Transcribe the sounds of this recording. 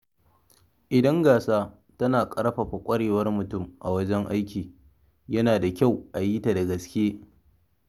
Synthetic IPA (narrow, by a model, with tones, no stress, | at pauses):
ʔɪ˨dɐ˦ŋɡaː˨saː˦ | tɐ˦naː˨kʼɐ˦ɾɸa˨ɸa˨kʷʼɐ˦ɽeː˨wɐ˦rmʊ˨tʊ˦˨mʔa˨wɐ˦d͡ʒɛ˦ŋʔa˦jkʲiː˨ | jɐ˦naː˨da˨kʲa˦˨wʔa˨jiː˦ta˨da˨ɡɐ˨skʲeː˦